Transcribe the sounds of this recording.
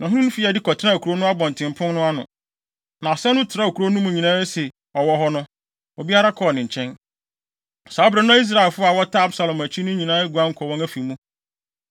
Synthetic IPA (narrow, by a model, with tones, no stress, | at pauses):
nã˨ɦũ˦nʊ̃˦fi˦a˨dɪ˦kɔ˨tʰɪ˦ɾã˦˨kʰu˨ɾo˦nʊ̃˦a˦bɔ̃˨n˨tʰɪ̃˨m˨pʰʊ̃˦nnʊ̃˦a˦nʊ̰̃˨ | nã˨sɛ˦nʊ̃˦tʰɪ˨ɾa˦˨o˨kʰu˨ɾo˦nũ˦mũ˨ɲĩ˨nãː˦e˦sɛ˨ | ɔ˨wɔ˦ɦɔ˦nʊ̃˦ | o˨bi˦a˦ɾa˦kʰɔ˨nɪ̃˨ɲ˨t͡ɕʰɛ̃˦n | sa˨˦ɔ˦bɾɛ˨˦nʊ̃˦ã˦i˦s̬ɾa˨ɪ˨lfʊ˦a˨wɔ˦tʰa˦a˦bsa˨lɔ̃˨mæ˨t͡ɕʰĩ˦nʊ̃˦ɲĩ˨nãː˦e˦ɡu˨ã˦ŋ̩˨kʰɔ˨wɔ̃˦æ˦fi˨mũ˦